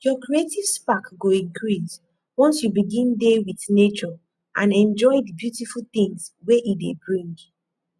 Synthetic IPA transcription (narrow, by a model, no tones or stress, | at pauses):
jɔkɹietiv̥spakɡoĩŋkɹis | wɔ̃nsjubiɡĩndewiθnet͡ʃɔ | ʔãnɛ̃nd͡ʒɔɪdəbjutifulˠθĩŋsweʔidebɹĩŋɡ